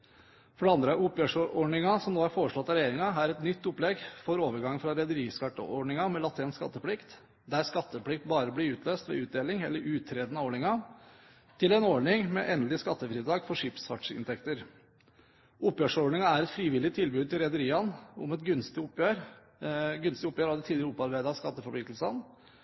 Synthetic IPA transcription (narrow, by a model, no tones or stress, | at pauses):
fɔɖɛɑnd̪ɾəʔʊpːjøːʂɔɔɖɳɪŋɑsɔmnoːhæɾfoːɾəʂɭɔt̪ːɑɾɛjeːɾɪŋɑɦæɾɛt̪nʏt̪ːʊplɛɡfoːɾoːʋəɾɡɑŋːfɾɑɾɛd̪əɾiːskɑʈːə̰ʔɔɖɳɪŋɑmɛlɑt̪ʰɪnskɑ̰t̪ːəpʰlɪkt̪ | d̪æɾskɑt̪ːəpʰlɪk̚t̪bɑːɾəblɪʉːt̪ʰløːst̪ʋɛ̰ːʉːd̪eːlɪŋɛ̰lːəɾʔʉːt̪ʰɾeːd̪ənəɔɳɪŋɑ | t̪ʰɪlɛnɔɖɳɪŋmɛ̰ʔɛnd̪lɪskɑt̪ːəfɾiːd̪ɑːɡfɔʂɪpsfɑʈʂɪ̰nt̪ʰɛkt̪əɾ | ʊpːjøːʂɔɖɳɪŋɑæɾɛt̪fɾiːʋɪlɪt̪ʰɪlbʉːd̪̚t̪ɪlɾɛd̪əɾiːɑnʊ̰mɛt̪ɡʉnst̪ɪʊpːjøːɾ | ɡʉnst̪ɪʊpːjøːɾhɑd̪ət̪ʰiːd̪ɪɾəʊpːɑɾbæɪd̪ɑskɑt̪ːəfɔɾpʰɭɪkt̪l̩sən